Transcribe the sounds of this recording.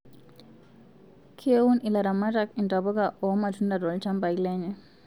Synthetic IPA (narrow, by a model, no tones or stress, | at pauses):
kʰiewunilaɾamatakintabɔɡaʔɔmatundadɔlt͡ʃambailɛɲɛ